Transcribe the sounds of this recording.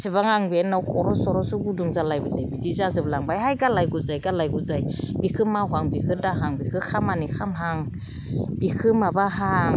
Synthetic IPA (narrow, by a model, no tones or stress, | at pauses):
sebaŋaŋbenːawkʰɔɾɔsɔɾɔsuɡuduŋzalajbizajbidizaz̬ɯblaŋbajɦajɡalajɡuzajɡalajɡuzajbikʰɯmːawkʰaŋbikʰɯdaɦaŋbikʰɯkʰamanikʰamɦaŋ | b̥ikʰɯmabaɦaŋ